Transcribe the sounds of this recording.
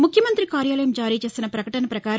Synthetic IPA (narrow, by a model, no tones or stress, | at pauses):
mukʰjɐmɐnt̪ɾikaːɾjaːlɐjɐmd͡ʒaːɾiːt͡ʃe̞ːsinɐpɾɐkɐʈɐnɐpɾɐkaːɾ